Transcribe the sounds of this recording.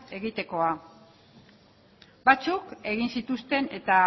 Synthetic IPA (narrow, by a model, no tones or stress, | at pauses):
e̞ɣit̪e̞ko̞a | bat͡suke̞ɣ̞insit̪ust̪e̞ne̞t̪a